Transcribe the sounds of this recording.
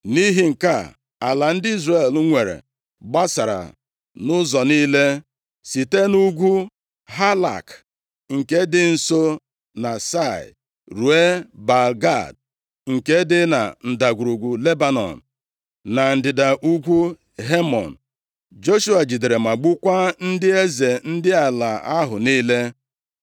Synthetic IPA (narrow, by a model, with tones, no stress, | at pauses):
ni˦ɦi˦ŋ̩˨ka˦˨ | a˨la˨n̩˦dɪ˦i˦zre˦˨lŋʷe˨ɾḛ˨ | ɡ͡ba˦sa˨ɾa̰˨ | nʊ˦zɔ˨ni˦le˦ | si˨te˦nu˦ɡʷu˦ | ɦa˦la̰˨k | ŋ̩˨ke˦dɪ˦n̩˨so˦ | na˨sa˦˨ɪ̰˨ | ɾu˨e˦ba˨lɡa˦˨d̚ | ŋ̩˨ke˦dɪ˦na̰˨n̩˨da˨ɡʷu˨ɾu˨ɡʷu˨le˦ba˦nɔ̰˨n̩˨ | na˨n̩˨dɪ˨da˨ʔu˦ɡʷu˦ | ɦe˦mɔ̰˨n̩˨ | d͡ʒo˦ʃu˦a˨d͡ʒi˨de˨ɾe˨ma˨ɡ͡bu˦kʷa˦n̩˦dɪ˦e˦ze˨n̩˦dɪ˦a˨la˨a˦ɦʊ˨niː˦le˦